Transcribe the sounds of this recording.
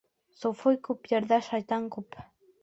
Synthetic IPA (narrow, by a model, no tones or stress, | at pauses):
sofojkʊpjaɾd̪aʃajt̪aŋkʊp